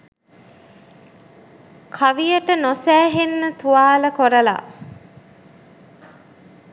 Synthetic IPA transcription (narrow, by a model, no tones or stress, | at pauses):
kʰaʋijəʈənosæːɦenːət̪uʋaːləkoɾəla̰